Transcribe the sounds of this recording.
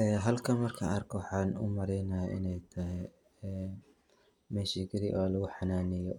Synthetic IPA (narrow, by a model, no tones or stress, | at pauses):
ʔɛːɦɐlkʰɐnmɐrkʰa̰ʔɐrkʰɔwɑħaːnʊ̰mɐɾɛjnɐjɐʔɪ̰nɛjt̪ʰɐɦɪ | ɛː | mɛːʃiɡɪɾɪ̰ʔoːlɐɣʊħɑnaːnɪjɔ